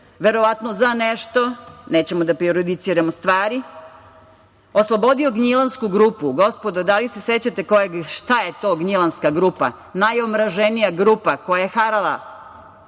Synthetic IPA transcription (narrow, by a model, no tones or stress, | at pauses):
ʋeɾo̞ʋat̪nozaneʃt̪o̞neːt͡ɕemod̪apɾioɾod̪it̪siːɾamost̪ʋaːɾi | oslˠobo̞d̪io̞ɡɲilanskuɡɾuːpuɡo̞spo̞d̪od̪alise̞set͡ɕat̪ekojeɡʃt̪ajet̪o̞ːɡɲilˠanskaɡɾuːpa̰ | najomɾaʒenijaɡɾuːpako̞jajexaɾala̰